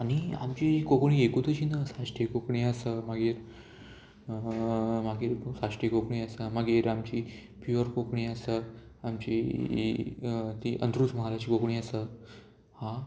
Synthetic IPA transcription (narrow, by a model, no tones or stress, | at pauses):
ania̰mt͡ɕikokɳiːekut̪ət͡ɕinəsaʂʈʰikokɳiːəsəməɡeːɾ | maɡeːɾsaʂʈikokɳiːəsəməɡeːɾamt͡ɕiː | pjuəɾkokɳiːəsə | amt͡ɕḭ | t̪iʔə̰nt̪ɾusməɦalat͡ɕiːkokɳiːəsə | hã